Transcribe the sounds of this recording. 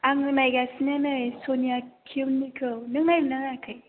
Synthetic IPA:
aŋɯmajɡasinanɯsonijakʰinːikʰɯwnɯŋnajɾɯnaŋaakʰɯj

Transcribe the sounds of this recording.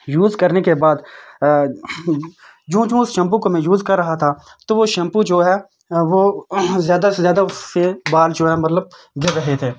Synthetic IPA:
juːzkəɾnekebaːd̪ | d͡ʒũːd͡ʒũːʊsʃə̃mp̬ukomẽjuːzkɐɾːɐɦat̪ʰa | t̪oʋoʃə̃mpud͡ʒoːɦɛː | ʋoːzjaːd̪aezjaːd̪aʊsːebaːld͡ʒoːɦɛmɐt̪ləb | ɡɪɾɾəɦet̪ʰeː

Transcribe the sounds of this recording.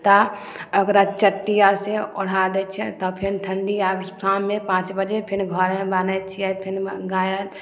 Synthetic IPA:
t̪aəɡɾat͡ʃəʈːijaseɔɽ̤ad̪ɛt͡ʃʰɛt̪ɔpʰɪnt̪ʰəɳɖiabst̪ʰanmepãːt͡ʃbəd͡ʒepʰɪɾɡʱɔɾẽbanɛt͡ʃʰijɛpʰɪnɡajət̪

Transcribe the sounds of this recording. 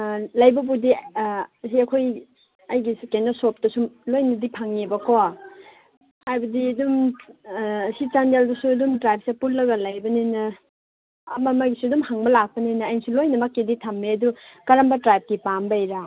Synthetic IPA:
lɐjbɐbudi | siɐkʰoj | ɐjɡiskenasop̚tɐsumlojnɐdipʰaŋebɐkʰo | hajbɐdiɐdum | sit͡ʃandeldɐsuɐdumtɾajp̚sepulːɐɡɐlajbɐninɐ | ɐ̰mamaɡisuɐdumhaŋbɐlak̚pɐninɐːjnsulojnɐmakːeditʰamːeɐdukɐɾambɐtɾajp̚kipambajɾa

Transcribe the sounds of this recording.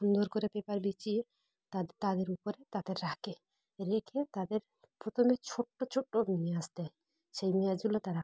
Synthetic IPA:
ʃund̪oɾkɔɾepɛpaɾbit͡ʃie | t̪at̪ad̪eɾupɔɾet̪ad̪eɾːakʰe | ɾekʰet̪ad̪eɾ | pɾot̪ʰomet͡ʃʰoʈːot͡ʃʰoʈːonijeast̪a | ʃejmiad͡ʒulɔt̪aɾa

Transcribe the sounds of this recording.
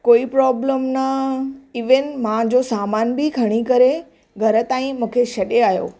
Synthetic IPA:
koːipɾɔːbləmnɐɪʋənɪ̆mãd͡ʑosaːmaːnbɪkʰɐɽ̃ikɐɾe | ɡʱɐɾə̆t̪aːĩmũːkʰeʃɐɗeaːjo̰ː

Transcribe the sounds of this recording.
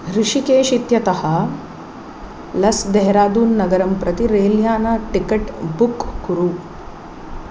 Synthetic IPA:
ɾiʂikeːʃit̪jɐt̪ɐhɐ | lɐsd̪eɦɾaːd̪uːnːɐɡɐɾɐmpɾɐt̪iɾeːljaːnɐʈikɐʈbukːuɾu

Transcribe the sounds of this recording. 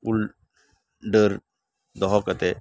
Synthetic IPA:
ul | ɖəɾ | d̪ɔɦɔkət̪e

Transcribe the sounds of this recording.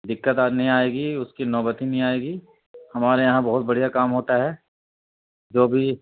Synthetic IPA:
d̪ɪkːət̪anɐɦĩaːeːɡiʊskinɔːbət̪inɐɦĩaːeːɡiː | hɐmaːɾejɐɦãbɐɦʊt̪̚bɐɽ̤ijakaːmɦoːt̪aɦɛː | d͡ʒoːbʱi

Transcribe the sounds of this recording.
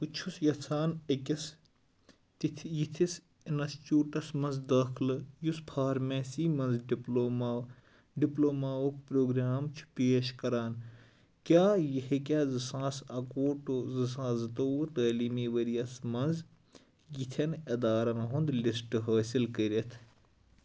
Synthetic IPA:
kut͡ʃʰusjɐt͡sʰaːnekʲɐs | t̪it̪ʰjit̪ʰis | inɐst͡ʃuːʈɐsmɐnzd̪ɐːkʰlɨjuspʰaːɾmẽːsiːmɐ̃nzɖiploːma | ɖiploːmaːwɐkpɾoːɡɾaːmt͡ʃʰu̥peːʃkɐɾaːn | kʲaːjɐɦikʲaːzɨsãːsɐkoːʈuzɨs̬ãːzɨt̪oːwt̪əːliːmiːʋɐɾijɐsmɐnz | jit̪ʰɐnɐd̪aːɾɐnɐɦũnd̪lisʈɨɦɐːsilkəɾɐt̪ʰ

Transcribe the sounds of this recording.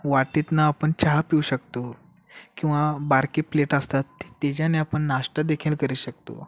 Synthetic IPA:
ʋaʈit̪naːpəɳt͡ɕaɦapiwɕəkt̪o | kĩw̃ʋabaɾkiːpleʈəst̪at̪ːi̥t̪ed͡ʑaneapəɳnaʂʈəd̪ekʰilkəɾiɕək̚t̪o̰

